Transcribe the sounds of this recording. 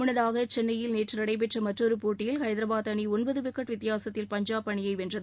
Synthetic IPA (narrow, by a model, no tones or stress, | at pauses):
mʊɳɐðaːɣɐt͡ʃɛnːɐjɪlneːʈrɯɾɐɽɐɪp̬ɛʈrɐmɐʈrɔɾɯpoːʈːɪjɪlxɐɪdðɪɾɐbaːt̪ɐɳiɔnbɐðɯʋɪkːɐʈʋɪt̪ːɪjaːsɐt̪ːɪlpɐɲd͡ʒaːpɐɳɪjɐɪʋɛndrɐðɯ